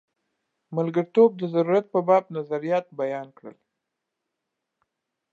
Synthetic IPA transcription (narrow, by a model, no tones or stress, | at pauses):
malɡəɾt̪ob̚d̪əzaɾuɾat̪̚pəbɑb̚nazaɾijɑt̪̚bajɑnkɽə̰l